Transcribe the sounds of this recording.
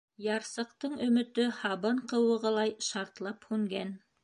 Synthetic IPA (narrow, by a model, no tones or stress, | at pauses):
jɑɾsɤ̆qt̪ɤɴɵ̆mɵ̆t̪ɵhɑβɤɴqɤ̆wɤ̆ʁɤ̆lˠɑjʃɑɾt̪lˠɑphʉŋɡæn